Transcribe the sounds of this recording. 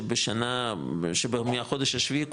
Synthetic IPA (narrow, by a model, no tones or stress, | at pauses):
beʃanaʃebemijaχod̪eʃaʃvik